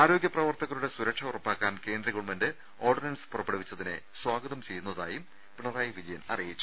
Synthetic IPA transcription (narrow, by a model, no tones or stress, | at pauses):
aːɾo̞ːɡjɐprɐʋɐrt̪ɐɣɐɭuɽe̞suɾɐkʂɐurɐpːaːkːaːnke̞ːnd̪ɾɐɣuɭmɐndɨ | o̞ːrɖinɐnsɨ̥purɐpːɐɽɐʋit͡ɕːɐðine̞̰ | swaːɡɐðɐmt͡ɕe̞junːɐðaːjum | piɳɐraːjiʋid͡ʑɐjɐnɐ̰rijit͡ɕːu̥